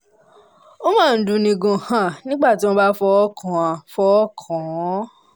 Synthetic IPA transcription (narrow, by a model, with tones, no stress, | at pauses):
o˦mãː˦˨n̩˨dũ˨˧˨nĩ˨ɡõ˨hã˨nĩ˦ɡ͡ba˦˨ti˨˦mõ˧˦ba˦fɔ˧ɔ˦kʰã˨ã˨fɔ˧ɔ˦kʰã˨˦